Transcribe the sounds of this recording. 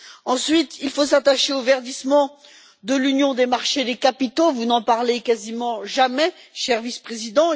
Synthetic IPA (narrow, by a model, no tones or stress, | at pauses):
ɑ̃sɥit̪ilfosat̪aʃeovɛʁd̪ismɑ̃ | d̪əlynjɔ̃d̪emaʁʃed̪ekapit̪ovunɑ̃paʁlekazimɑ̃ʒamɛʃɛʁvispχezid̪ɑ̃